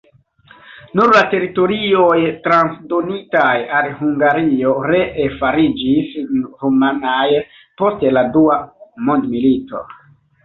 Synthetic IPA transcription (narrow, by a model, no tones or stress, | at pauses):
nuɾlate̞ɾito̞ɾio̞jtɾansdo̞nitajalɦuŋɡaɾio̞ɾeefaɾid͡ʒisɾumanaj | po̞steladuamo̞ndmilito̞̰